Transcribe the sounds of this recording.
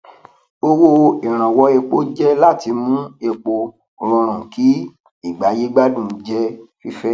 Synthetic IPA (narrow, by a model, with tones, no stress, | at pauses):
o˧wo˧i˨ɾ̃ã˨wɔ˧e˧k͡po˦d͡ʒɛ˦la˦˨ti˧mũ˦e˨k͡po˧ | o˨ɾɔ̃˧ɾ̃ã˨ki˨˦ | i˦˨ɡ͡ba˨˦je˦ɡ͡ba˦dũ˦˨˦d͡ʒɛ˦fi˦fɛ˦